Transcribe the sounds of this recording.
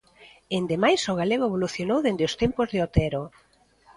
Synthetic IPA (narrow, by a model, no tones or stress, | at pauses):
end̪emajsoɣaleɣ̞oeβ̞oluθjonowðend̪eost̪empozðeot̪ɛɾo